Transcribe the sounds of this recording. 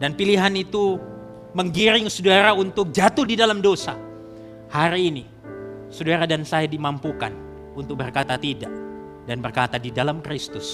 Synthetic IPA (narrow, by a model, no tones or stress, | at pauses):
danpiliɦanit̪u | məŋɡiɾɪŋsudaɾaunt̪ʊk̚d͡ʒat̪ʊhdidalamdosa | haɾiːni | sudaɾadansajadimampuka̰n | unt̪ʊk̚bərkat̪at̪idaʔ | danbərkat̪adidalamkɾist̪ʊs